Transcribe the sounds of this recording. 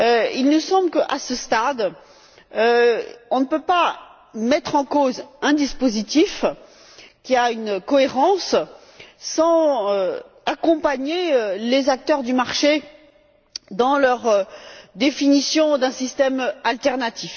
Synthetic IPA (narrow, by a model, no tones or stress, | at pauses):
øilnəsɑ̃bləkəʔasəst̪ad̪ | øɔ̃nəpøpa | mɛt̪χɑ̃kozɛ̃d̪ispozit̪if | kʲiaynkɔeʁɑ̃s | sɑ̃ø | akɔ̃paɲeølezak̚t̪œʁd̪ymaʁʃe | d̪ɑ̃lœʁd̪efinisjɔ̃d̪ɛ̃sist̪ɛmalt̪ɛʁnat̪ʰif